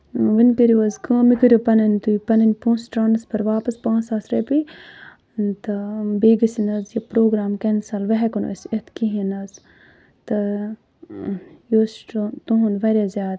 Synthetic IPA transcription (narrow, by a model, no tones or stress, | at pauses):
ʋinkɐɾiʋɐzkɐ̃ːmikɐɾʲjopɐnɐnʲt̪uipɐnɐnʲpũːsʈaːnɐspʰɐɾʋaːpɐspãːt͡saːsɾɐpi | t̪ɐbeːɡɐsinɐzjɐpɾoːɡɾaːmkɐnsɐlʋɐɦɛkɐno̰sʲet̪ʰkiɦinɐz | t̪ɐ | joːsʈːt̪uɦunʋɐɾʲjaːzʲjaːd̪